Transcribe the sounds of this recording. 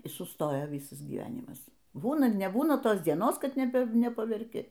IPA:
iː sʊˈstoːjoː ˈʋʲiːsɐs ɡʲiːˈʋʲæːnʲɪmɐs ˈbuːnɐ nʲɛˈbuːnɐ ˈtoːs dʲiɛˈnoːs ˈkɐt nʲɛˈpɐ nʲɛpɐʋʲɛrʲˈkʲɪ

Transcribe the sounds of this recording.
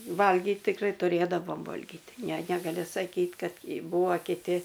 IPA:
ˈʋɐlʲɡʲiːt tʲɪkˈrɐɪ tʊˈrʲeːdɐʋoːm ˈʋoːlʲɡʲɪt ˈnʲɛ nʲɛɡɐˈlʲɪ sɐˈkʲiːt ˈkɐt ˈbuːʋoː kʲɪˈtʲɪ

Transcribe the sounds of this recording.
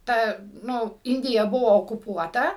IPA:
ˈtɐ ˈnʊ ˈɪnʲdʲɪjɛ ˈbʊʋoː oːkʊˈpuɔtɐ

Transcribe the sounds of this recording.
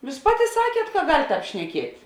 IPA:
ˈjuːs ˈpɑːˌtʲɪ ˈsɑːkʲiɛt kɐ ɡɐlʲ ˈtɑːp ʃʲnʲɛˈkʲiɛtʲ

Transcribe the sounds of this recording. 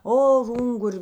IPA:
ˈoː ˈʊŋɡʊrʲ

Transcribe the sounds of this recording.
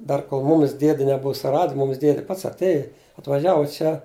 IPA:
ˈdɐr koːlˠ ˈmuːmʲɪs ˈdʲiɛdʲɪ nʲɛˈbʊʊ sʊˈrɐt ˈmʊmʲɪs ˈdʲiɛdʲɪ ˈpɐts ɐtʲˈeːjɪ ɐtʋɐˈʒʲæːʋʊ ˈt͡ʃʲɛ

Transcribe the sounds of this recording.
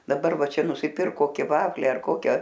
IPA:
dɐˈbɐr ˈʋɐ ˈt͡ʃʲɛ nʊsʲɪˈpʲɪrk ˈkoːkʲɪ ˈʋɑːfʲlʲiː ɐr ˈkoːkʲɛ

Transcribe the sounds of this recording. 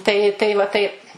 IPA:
ˈtɐɪ tɐɪ ʋɐ ˈtɐɪp

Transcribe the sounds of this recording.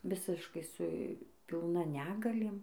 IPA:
ˈʋʲɪsʲɪʃkɐɪ sʊ pʲɪlˠˈnɐ ˈnʲæːɡɐlʲeːm

